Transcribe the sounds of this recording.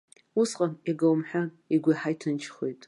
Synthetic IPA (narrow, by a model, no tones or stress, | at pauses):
usqʼaniɡawmħʷᶣa | iɡʷajħajtʰɨnt͡ʃʰχḛjtʼ